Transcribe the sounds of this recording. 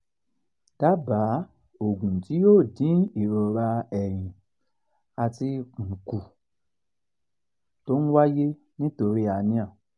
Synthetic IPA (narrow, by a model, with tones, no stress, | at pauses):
d̥a˦ba˨˦ | o˨ɡũ˨ti˨˦joː˦˨dĩ˨˦i˨ɾɔ˧ɾa˧ɛ˨ɾ̃ĩ˨ | a˧ti˧k͡pũ˨ku˨ | to˦ñ̩˦wa˦je˦ | nĩ˦to˧ɾi˦a˧nĩ˧ã˦˨